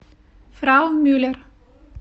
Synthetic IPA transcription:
fɾawmyːlɛɾ

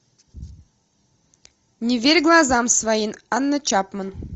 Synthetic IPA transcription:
nʲɪvʲeɾʲɡlˠɑzɑmsvajinɑnːɤt͡ɕɑpmɤ̆n

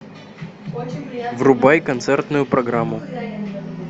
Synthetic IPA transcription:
vrʊbajkɐnt̪sɛrt̪nʊjʊpɾɐɡɾamːʊ

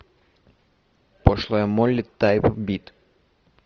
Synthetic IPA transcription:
pɔʃlˠɐjamɔlʲːit̪ːajpbʲit̪

